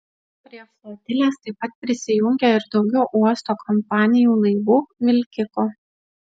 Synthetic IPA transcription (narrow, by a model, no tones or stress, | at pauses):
pʲɾʲiɛflˠoːd̪ʲɪlʲeːst̪ɐɪpɐt̪̚pʲɾʲɪsʲɪjʊŋʲɡʲeɪɾd̪ɒʊɡʲɛʊʔuɔst̪oːkʰɔmpɑːnʲɪjuːlˠɐɪʋuːmʲɪlʲkʲɪko